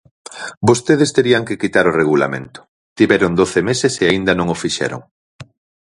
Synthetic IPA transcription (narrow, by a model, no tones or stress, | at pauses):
bost̪eðɪst̪eɾiɐŋkɪkit̪aɾʊreɣ̞ula̰mḛ̃nt̪ʊ̥ | t̪iβɛɾʊŋd̪oθemeseseaind̪ɐnõŋʊfiʃɛ̰ɾʊ̰ŋ